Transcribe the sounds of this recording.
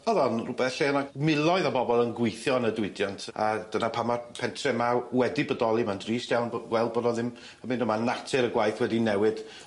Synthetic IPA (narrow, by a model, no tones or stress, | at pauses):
ɔðɔnrʊbɛeanamɪlˠɔɨðabɔbɔlˠənɡwɪjθjɔnədwɪdjantʰad̥ənapʰamapʰɛntʰrɛmawɛdibədɔlˠimandriːstjawnɡwɛlˠd̚bɔdɔðɪm | əmɪndɔmanatʰɪɾəɡwajθwɛdinɛwɨd̥